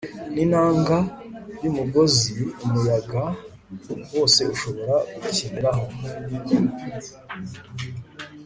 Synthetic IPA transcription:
ninaːŋɡajumuɡo̞ziumujaɡa | wo̞ːse̞uʃo̞βo̞ɾaɡucinɾaho

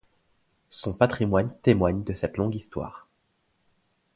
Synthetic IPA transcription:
sɔ̃pat̪χimwant̪emwaɲd̪əsɛt̪lɔ̃ɡist̪wa̰ːʁ

